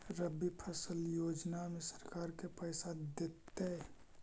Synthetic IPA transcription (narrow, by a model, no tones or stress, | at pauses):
ɾəbipʰəsəljoːd͡ʒnamesəɾkaːɾkepəɪsad̪et̪ːe